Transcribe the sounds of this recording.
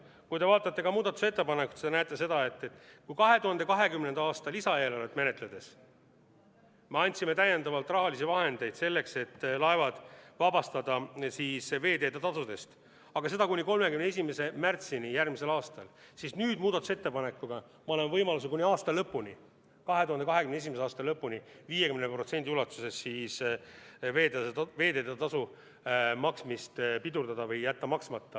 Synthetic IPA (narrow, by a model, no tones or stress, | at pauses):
kujt̪e̞vɑːt̪ːˑɑt̪ːe̞kɑmuːd̪̥ɑt̪ːˑu̥se̞t̪ːe̞pɑnekːˑu̥t̪senæːt̪ːˑese̞d̪ɑe̞t̪ːet̪ˑkujkɑɦe̞t̪uhɑnd̪e̞kɑɦe̞kymnend̪ɑɑːst̪ɑlisɑeːlolet̪me̞ne̞t̪ˑle̞d̪e̞s | me̞ɑnʲt̪sime̞t̪æjːe̞nd̪ɑvɑlt̪ːˑrɑɦɑlisivɑɦe̞nd̪e̞jd̪se̞lːe̞kse̞t̪ːlɑevɑd̪̥vɑbɑst̪ɑd̪̥ɑsiːsve̞ːt̪e̞ːd̪ɑt̪ɑsud̪e̞st̪ | ɑɡ̥ɑse̞d̪ɑkunʲiko̞lmekymneesʲimese̞mært̪sinijærmise̞lɑːst̪ɑl | sisnyːd̪muːd̪̥ɑt̪u̥set̪ːe̞pɑne̞kːˑuɡ̥ɑ | mɑole̞mvɤjmɑlus̬ekunʲiɑːst̪ɑlɤpːˑunʲi | kɑɦe̞t̪uhɑnd̪eɑɦekynes̬imeseɑːst̪ɑlɤpːuniviːje̞kymnepro̞t̪se̞nʲd̪iulɑt̪ːˑuse̞sːiːs | veːt̪eve̞ːd̪e̞ːt̪ːt̪ɑsu | mɑksmist̪pid̪uɾd̪ɑd̪ɑvɤjjæt̪ːɑmɑksmɑt̪ːɑ